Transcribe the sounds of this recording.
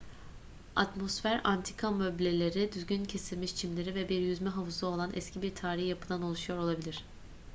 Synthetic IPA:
a̰t̪mo̞sfæɾant̪ʰi̥kʰamøblʲe̞lʲe̞ɾid̪yzɟyncʰe̞silʲmiʃt͡ʃʰimlʲe̞ɾivɛbiɾjyzmɛɦavɯzɯo̞lˠanʔɛ̰scʰibiɾt̪ʰaːɾihjapɯd̪ano̞lˠuʃujo̞ɾo̞lˠabilʲiɾ̥

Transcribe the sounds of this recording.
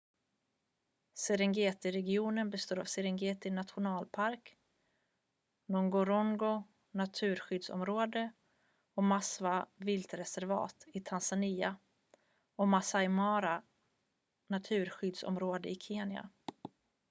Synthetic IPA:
sɛɾɪŋɡeːt̪ɪɾɛɡɪuːnənbɛst̪oːɾa̰vsɛɾɪŋɡeːt̪ɪnat̪ɧʊnɑːlpʰaɾk | nɔŋɡɔɾɔŋɡʊ | nat̪ʰʉ̟ːɾɧʏd̪sɔ̰mɾoːd̪ə | ɔmasvavɪlt̪ɾɛsæɾvɑ̰ːt̪ɪt̪ʰansaniːa | ɔmasajmɑːɾa | nat̪ʰʉ̟ːɾɧʏd̪sɔ̰mɾoːd̪əɪkʰeːnja̰

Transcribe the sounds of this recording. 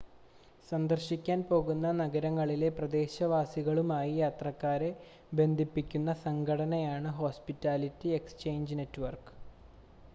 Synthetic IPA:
sɐnd̪ɐrɕikʲːaːnpo̞ːɣunːɐnɐɣɐɾɐŋːɐɭile̞prɐd̪e̞ːɕɐʋaːsiɣɐɭumaːjijaːt̪rɐkːaːɾe̞ | be̞nd̪ʱipːikʲːunːɐsɐŋɡʰʱɐɽɐnɐjaːɳɨɦo̞ːspitːaːlitːiekst͡ɕe̞ːɲd͡ʑne̞tːʋɐrkɨ̥

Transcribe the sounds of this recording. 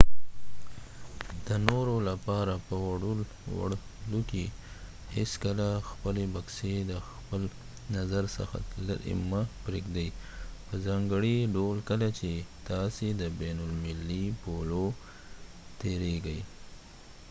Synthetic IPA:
d̪̥ənoɾolapɑɾapəwaɽul | wa̰ɽluke | heskəlaxpəlebaksed̪əxpəl | nazaɾsə̰xa̰l̰ɾɪ̰mapɾeɡd̪ajpəzɑŋɡəɽiɖolkəlat͡ʃet̪ɑsed̪əbenʊlmɪlːipolo | t̪eɾeɡaj

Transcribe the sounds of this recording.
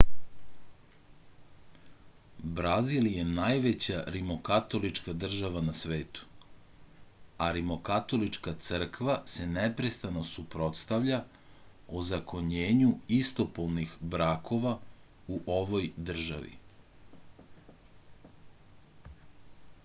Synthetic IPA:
bɾaziljenajʋe̞t͡ɕaɾimo̞kat̪o̞lit͡ʃkad̪r̩ʒaʋanasʋe̞ːt̪u̥ | aɾimo̞kat̪o̞lit͡ʃkat̪sr̩kʋase̞nepɾe̞st̪ano̞supɾo̞t̪st̪aʋʎa | ozako̞ɲeːɲuist̪o̞polnixbɾakʰo̞ʋa | uʔo̞ʋo̞jd̪r̩ʒa̰ʋḭ

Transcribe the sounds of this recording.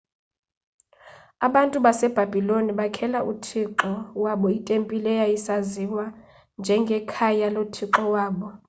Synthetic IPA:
aɓantʼuɓasɛb̥ʱabʱiloniɓakʰɛlaʔutʰiǃɔwaɓɔitʼempʼilɛjaisaziwa | nd͡ʒʱɛŋɡʱɛkʰajalotʰiǁɔwaːɓɔ

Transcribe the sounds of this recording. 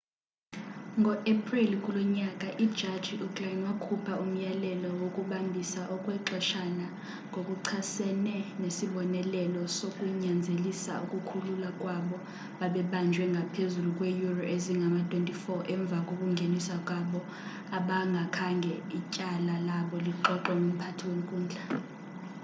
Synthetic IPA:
ŋɡʱɔʔepʰʼrilkʼulɔɲakʼaʔid̥ʒ̥ʱad̥ʒ̥ʱiʔukʼaiwakʰupʰaum̩jalɛlɔwokʼuɓambʱisaʔɔkʼwɛǁɔʃana | ŋɡʱokʼuǀʰasɛnɛnesiɓɔnɛlɛlɔsokʼuɲand͡zʱelisa̰ṵkʼukʰululakʼwaɓɔ | ɓaɓɛɓand͡ʒʱwɛŋɡʱapʰezulukʼwejurɔʔeziŋɡʱamatʰʼwentʼifɔʔɛɱb̪vʱakʼokʼuŋɡʱenisakʼwaɓɔ | aɓaŋɡʱakʰaŋɡʱɛicʼalalaɓɔliǃɔǃɛŋɡʱom̩pʰatʰiwem̩kʼuːnd͡ɮʱa

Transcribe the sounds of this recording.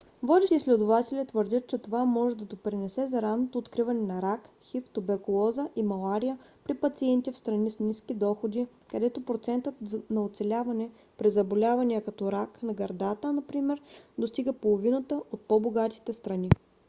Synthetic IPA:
vlɔd̪ʲɛʃislɛd̪ʊvat̪ɛlʲət̪vəɾd̪ʲət̪̚t͡ʃɛt̪ovamɔʒɛd̪ɐd̪opɾinɛsɛzɐɾannːot̪oːt̪kɾivɐnɛnɐɾak | xift̪ubɛɾkʊlˠɔzəʔimɐlˠaɾijəpɾipɐt̪siɛnt̪ifst̪ɾɐnisnʲiskʲid̪ɔxod̪i | kɐd̪ɛt̪opɾot̪sɛnt̪ət̪nɐot̪sɛlʲavɐnɛ | pɾizɐbolʲavɐnʲijəkɐt̪ɔɾaknɐɡɐɾd̪at̪ənɐpɾimɛɾd̪ost̪iɡəpolˠovinət̪əʔot̪̚poboɡat̪i̥t̪ɛst̪ɾɐni

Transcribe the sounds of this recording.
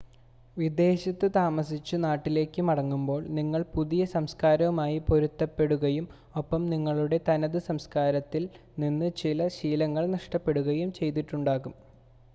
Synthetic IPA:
ʋid̪e̞ːɕɐt̪ːɨt̪aːmɐsit͡ɕːɨnaːʈːile̞ːkːɨmɐɽɐŋːumbo̞ːɭniŋːɐɭpuðijɐsɐmskaːɾɐumaːjipo̞ɾut̪ːɐpːe̞ɽuɣɐjum | o̞pːɐmniŋːɐɭuɽe̞t̪ɐnɐðɨsɐmskaːɾɐt̪ːil | ninːɨt͡ɕilɐɕiːlɐŋːɐɭnɐʂʈɐpːe̞ɽuɣɐjumt͡ɕe̞jt̪̬iʈːuɳɖaːɣum

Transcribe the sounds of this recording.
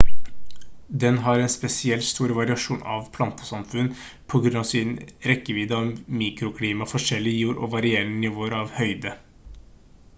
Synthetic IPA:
d̪ɛnɦɑɾɛnspɛsɪɛlt̪st̪uːɾʋɑɾɪɑʂuːnʔɑ̰ʋpʰlɑnt̪ə̥sɑmfʉnː | pʰɔɡɾʉnɑʋsɪnɾɛkːəʋiːd̪əɔmiːkɾʊkʰliːmɑfɔʂɛlːɪjuːɾʔɔ̰ʋɑɾɪeːɾənənɪʋoːəɾɑʋhœʏd̪ə

